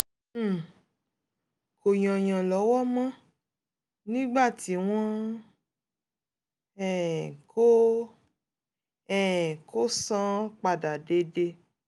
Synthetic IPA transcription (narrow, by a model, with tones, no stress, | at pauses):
ko˨j̃ɔ̃˨j̃ã˨lɔ˨˦wɔ˦mã˦ | nĩ˦ɡ͡ba˦˨ti˨˦w̃ɔ̃˦ | ɛ˨ko˦ | ɛ˨ko˦sã˦k͡pa˨da˨de˧˦de˧